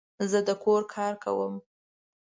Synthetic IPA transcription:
zəd̪əkʰoɾkʰɑɾka̰wəm

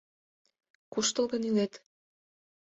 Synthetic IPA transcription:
kuʃt̪ɤ̆lˠɣɤ̆nilet̪

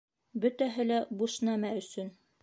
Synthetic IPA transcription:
bɵ̆t̪æɦɘlæbuʃnæmæɵ̆sɵn

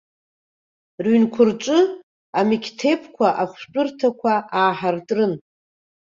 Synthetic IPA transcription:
rɥinkʷʰʊrt͡ʃʷʼɨ | amikʰʲtʰe̞pʰkʷʰaʔaχʷt͡pʼʊrtʰakʷʰaʔaːħartʼrɨn

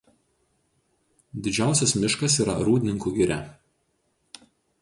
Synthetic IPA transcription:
d̪ʲɪd͡ʒʲæˑʊsʲɛsmʲɪʃkɐsiːɾɐ̰ɾuːd̪ʲɪnʲɪŋkuɡʲɪɾʲæ

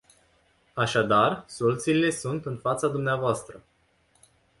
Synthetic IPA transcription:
aʃad̪arsolut̪siːle̞sunt̪ɨnfat̪sad̪umneavoast̪ɾə

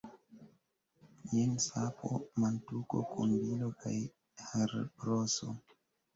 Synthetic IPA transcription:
jensapʰo̰mantuko̰kʰunbilokʰaj | haɾbɾoso̰

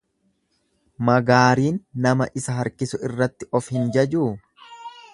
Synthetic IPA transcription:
mɐɡaːɾiːnːɐmɐʔɪsɐɦɐɾkɪsʊɪrːɐt̪ːɪʔɔfhɪnd͡ʒɐd͡ʒuː

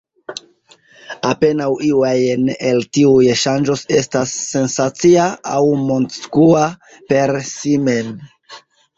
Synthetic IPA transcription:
ape̞nawiwajneltiujʃand͡ʒo̞se̞stasːe̞nsat͡siaawmonskua | pe̞ɾsime̞n

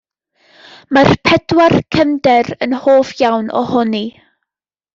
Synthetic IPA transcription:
marpʰɛdwarkʰəmdɛɾənhoːfjawnɔ̰hʊni

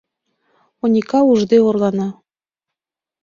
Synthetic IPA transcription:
onʲikɑuʒd̪eorlɑnɑ

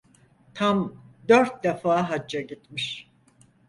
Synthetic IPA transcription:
t̪ʰamd̪øɾt̪̚d̪efaːɦad͡ʒːaɟit̪miʃ

